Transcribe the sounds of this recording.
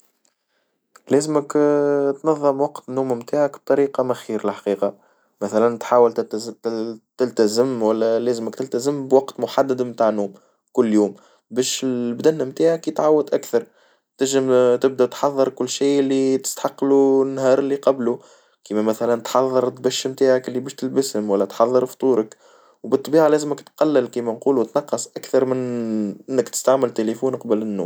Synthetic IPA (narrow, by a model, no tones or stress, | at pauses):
lɛːzməkt̪nɑðˤːɨmwɑqt̪nːuːmmt̪aːʕækb̥̚t̪ˤɑɾiːqɑmæxiːɾɪlħḁqiːqɑ | mæθælænt̪ħaːwəl | t̪ɪlt̪æzɪmwælːælɛːzməkt̪ɪlt̪æzɪmbwɑqt̪mʊħad̪ːad̪mt̪aːʕnuːm | kʊlːjuːm | bɛːʃɪlbd̪ænːæmt̪aːʕakiːt̪ʕawːəd̪ʔækθɑɾˤ | t̪ɪʒɪmt̪ɪb̚d̪æt̪ħɑðˤːɨɾkʊlːʃiːʔɪlːit̪ɪ̥st̪ħɑqːlunːɦɑːɾˤɪlːiqɑblu | kiːmæmæθælænt̪ħɑðˤːɨɾˤt̪bæʃːmt̪aːʕakɪlːibɛːʃt̪ɪlbɪshʊmwælːæt̪ħɑðˤːɨɾft̪ˤuːɾək | wbɨt̪ˤːbiːʕalɛːzməkt̪qɑlːɪlkiːmænquːlut̪nɑqːɑsˤʔakθɑɾˤmɪnʔɪnːɪkt̪ɪ̥st̪aʕmɪlt̪elefuːnqɑbəlɪnːṵːm